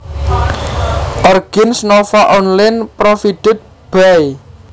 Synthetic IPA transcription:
ʔɔrɡ̥ɪnsnɔfaʔɔnlanpɾofiɖ̪̥ɪ̤t̪̚ | b̥aj

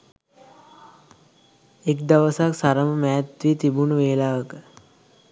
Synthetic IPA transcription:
ekd̪aʋəsaksaɾəməmæːt̪ʋiːt̪ibunuʋeːlaːʋəkə

